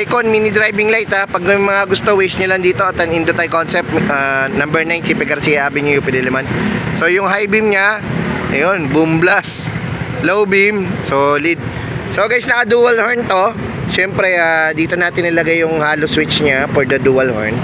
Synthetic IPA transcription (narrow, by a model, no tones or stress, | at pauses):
ajkonmiːnɪd̪ɾajbɪŋlajt̪apɐɡ̚mɐmɐŋaɡʊst̪owɪt͡ʃɲɐlɐŋd̪iːt̪o̞ʔɐt̪ɐŋɪnd̪ot̪ajkonsɛp̚t̪ʔanɐmbɛɹnajnsɪpɛɡɐɾsiːjɐʔaːbɪɲʊjʊpɛd̪ɛlɛmanso̞jʊŋɦajbɪmɲɐʔɐ̰jonbʊmblas | lowbɪmsolɪd̪̚ | soɡajsnɐʔɐd̪uːwɐlhoɹnt̪o̞ | ʃɛmpɾɛʔad̪iːt̪onaːt̪ɪnːɐlɐɡajːʊŋhaːloswɪt͡ʃɲafɔɹd̪ɐd̪uːɐlho̰ɹn